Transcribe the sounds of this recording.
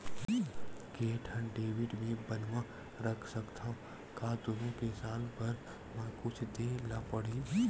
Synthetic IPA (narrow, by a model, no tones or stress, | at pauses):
keːʈʰənɖeːʋɪɖmẽbənʋã | ɾəkʰsəkt̪ʰã | kaːd̪ʊnõkesaːlpɐɾ | mə̃kʊt͡ʃʰd̪eːlapəɽi